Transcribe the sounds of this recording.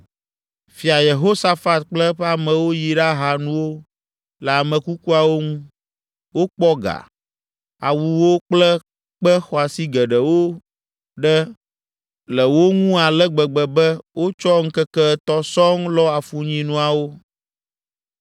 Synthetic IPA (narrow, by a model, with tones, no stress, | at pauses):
fi˨a˨je˨ɦo˦sa˦fa˦t̪̚k͡plɛ˦ɸa˦mɛ̃˨wo˦ji˨ɖa˦ɦa˨nũ˦wo˦ | lɛ˨a˨mɛ̃˨ku˦ku˦a˨wo˦ŋũ˦ | wo˦k͡pɔ˦ɡa̰˨ | a̰˨wu˨wo˦k͡plɛ˦ | k͡pɛ˦xɔ˨a˨si˦ɡɛ˨ɖə˨wo˦ | ɖɛ˦ | lɛ˨wo˦ŋũ˦a˨lɛ˦ɡ͡bɛ˨ɡ͡bɛ˨bɛ˦wʔo˦t͡ʃɔ˦ŋ̩˦kɛ˦kɛ˦t̪ɔ˦sɔ˦ŋlɔ˦a˨fu˨ɲĩ˦nũ˦a˨wo˦